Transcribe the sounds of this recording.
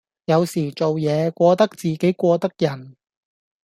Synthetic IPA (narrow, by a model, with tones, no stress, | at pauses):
jɐ˨˧wsiː˨˩t͡ʃo˨wjɛː˨˧kʷɔː˧t̪ɐ˥k̚t͡siː˨ke˨˥jkʷɔː˧t̪ɐ˥k̚jɐ˨˩n